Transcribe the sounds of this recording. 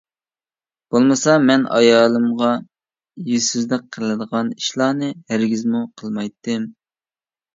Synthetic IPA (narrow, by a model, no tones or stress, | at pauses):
b̥olˠmɨsɑmɛnʔɑ̰jɑːlˠɨmʁɑ | jyyzd̪ɪk̚qʰːəlˠɨd̪əʁɑniʃlˠɑːnɨhæɾɡʲizmuqʰəlˠmɑjt̪ʰːɨm